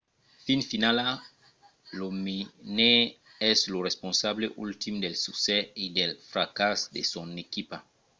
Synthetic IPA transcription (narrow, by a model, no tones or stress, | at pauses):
fĩnfinala | lomine | ɛslorespɔ̃nsableʔult̪imd̪elsuksɛid̪elfɾakasd̪esɔ̃nekipa